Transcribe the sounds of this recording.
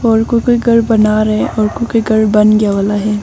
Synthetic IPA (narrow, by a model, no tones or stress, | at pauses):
ɔːɾkoikoiɡɐɽbɐnaɾɐɦɛʔɔːɾkoikoiɡɐɽbɐnɡjaʋaːlaɦɛː